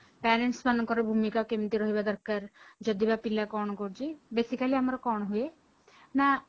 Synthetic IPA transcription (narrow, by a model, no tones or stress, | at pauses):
pɛːɾeɳʈsmankɔɾbʱumikakemt̪iɾɔɦibad̪ɔɾkaɾd͡ʒɔd̪ibapilakɔɳkɔɾd͡ʒibesikaliamɾɔkɔɳɦue | na